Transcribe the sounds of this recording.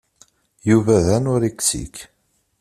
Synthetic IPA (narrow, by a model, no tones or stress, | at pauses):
juvæðænʊɾiksḭk